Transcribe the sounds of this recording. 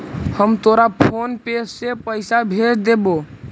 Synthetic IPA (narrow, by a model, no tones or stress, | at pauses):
həmt̪oɾapʰonpesːepəɪsabʱeɾd̪ebo